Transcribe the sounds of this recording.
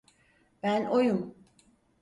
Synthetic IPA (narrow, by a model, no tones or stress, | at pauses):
b̥ænʔojum